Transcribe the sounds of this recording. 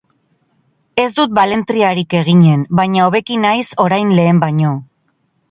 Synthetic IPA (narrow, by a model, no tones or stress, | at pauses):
e̞zd̪ut̪̚bale̞nt̪ɾiaɾike̞ɣ̞iɲe̞nbajɲaoβe̞kinajso̞ɾajnle̞ːmbaɲo̞